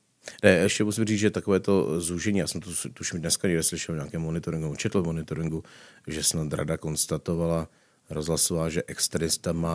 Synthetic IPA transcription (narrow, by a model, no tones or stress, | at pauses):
nɛɛʃcɛmusimriːd͡zʒɛt̪akovɛːt̪o̞zuʒɛɲiːjaːsɛmt̪ot̪uʃimdnɛskaɲɛɡdɛslɪʃɛlɲaːkɛːmːonɪt̪oɾɪŋɡut͡ʃɛt̪l̩vmonɪt̪oɾɪŋɡuʒɛsnat̪ɾa̰dako̞nst̪at̪o̞vala | ɾozɦlasovaːʒɛʔɛkst̪ɾɛnɪst̪amaː